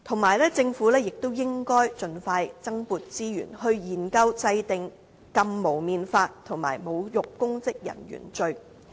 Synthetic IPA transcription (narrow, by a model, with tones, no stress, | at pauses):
t̪ʰʊ˨˩ŋmaː˨˩jlɛː˥t͡sɪ˧ŋfuː˨˥lɛː˥jɪ˨k̚t̪o˥wjɪ˥ŋkɔː˥jt͡ʃɵ˧nfaː˧jt͡sɐ˥ŋpuː˨˧t̚t͡siː˥jy̰ː˨˩nhɵ˧ɥjiː˨˩nkɐ˧wt͡sɐ˧jt̪ɪ˨ŋ | kɐ˧mmːo˨˩wmiː˨˧nfaː˧t̚t̪ʰʊ˨˩ŋma̰ː˨˩jmo˨˧wjʊ˨k̚kːʊ˥ŋt͡sɪ˥k̚jɐ̰˨˩njy̰ː˨˩nt͡ʃɵ˧ɥ